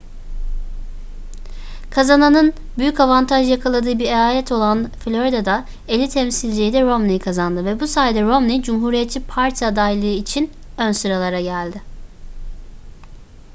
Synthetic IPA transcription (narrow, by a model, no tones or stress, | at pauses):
kʰazananɯn | byjycavant̪ʰaʒjakʰalˠad̪ɯːɯbiɾeaːlʲɛt̪ʰo̞lˠanflʲo̞ɾid̪ad̪a | elʲit̪ʰɛmsilʲd͡ʒijd̪ɛɾo̞mnʲikʰazand̪ɯvɛbusaːjd̪ɛɾo̞mnid͡ʒumɦuːɾijɛt̪t͡ʃʰːipʰaɾt̪ʰijad̪ajilˠɯɯit͡ʃʰin | ønsɯɾalˠaɾaɟælʲd̪ɪ